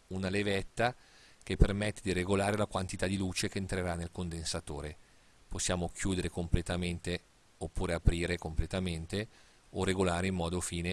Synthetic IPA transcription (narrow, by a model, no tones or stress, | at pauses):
unalevɛt̪ːa | k̟epːermɛt̪ːed̪iɾeɡolaːɾelakwant̪it̪ad̪iluːt͡ʃekeːnt̪ɾeɾanːelkond̪ensat̪o̰ːɾe | posːjaːmok̟ʰjuːd̪eɾekomplet̪ament̪e | opːuːɾeapɾiːɾekomplet̪ament̪e | oreɡolaːɾeimːɔːd̪ofiːne